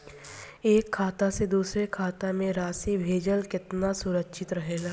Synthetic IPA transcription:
eːkʰːaːt̪ased̪uːsɾekʰaːt̪amẽɾaːsibʱeːd͡ʒəlkɪt̪nasʊɾəkʃʰɪt̪ɾɐɦeːɡaː

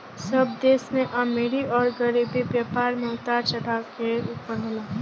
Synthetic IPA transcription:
səbd̪eːsmẽʔameɾiɔːɾɡəɾibibjaːpaːɾmɪɦt̪aɾt͡ʃɐɽakeupːəɾɦelaː

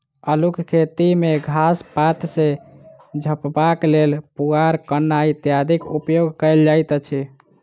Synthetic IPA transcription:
əlukkʰet̪imeɡʱaspat̪se | d͡ʒʱəpbaklelpuɡaɾkənait̪jad̪ʱikupjoɡkəjld͡ʒajt̪t͡ʃʰi

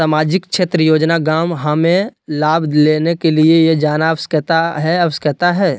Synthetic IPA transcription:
saːmaːd͡ʒɪkʃeːt̪ɾəjoːd͡ʒnaɡaːmɦɐmẽlaːbleːnekeliejed͡ʒaːnaɐwskət̪aɦɛɐwskjət̪aɦɛː

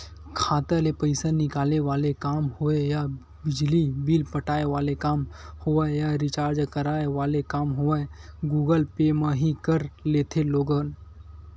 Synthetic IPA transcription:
kʰaːt̪əlepəɪsanɪkaːleʋaːlekaːmhoeja | bɪd͡ʒlibilpəʈaːeʋaːlekaːmhoəjaɾɪt͡ʃaːɾd͡ʒkəɾaːeʋaːlekaːmɦoeɡuːɡəlpeːmãɦĩkəɾleːt̪ʰeloːɡən

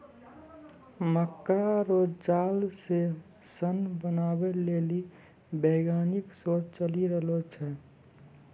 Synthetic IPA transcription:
məkːɾaɾoːd͡ʒd͡ʒaːlse | sənbənaːbeleːli | beːɡaːnɪksoːt͡ʃt͡ʃəliɾəɦlot͡ʃʰɛ

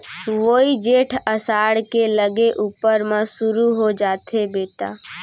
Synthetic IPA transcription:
ʋoːid͡ʒeːʈʰəsaːɽkeləɡeʔuːpəɾmãsʊɾuɦod͡ʒaːt̪ɦebeːʈa̰ː

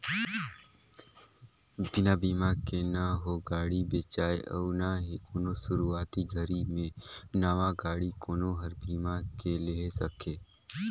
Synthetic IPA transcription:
bɪnabiːmakenəɦoɡaːɽibeːt͡ʃaːeʔɔ̰ːnaɦikoːnosʊɾuaːt̪iɡʱəɾimẽnaʋaɡaːɽikoːnoɦɐɾbiːmakeleɦsəkʰeː

